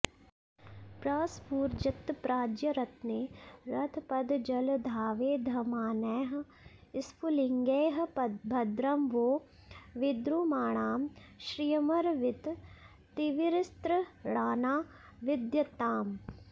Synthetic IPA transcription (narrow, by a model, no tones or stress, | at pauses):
pɾaːspuːɾd͡ʒɪt̪ːpɾaːd͡ʒjɐɾɐt̪neːɾɐt̪ʰpɐd̪d͡ʒɐld̪ʱaːʋeːd̪ʱɐmaːnɛːɦ | ɪspulɪŋɡeːɦɐbʱɐd̪ɾɐmʋoː | ʋɪd̪ɾuːmaːɳ̃aːmʃɾijɐmɐɾʋɪt̪ | t̪ɪʋɪɾɪst̪ɾəɽaːnaː | ʋɪd̪jɐt̪aːm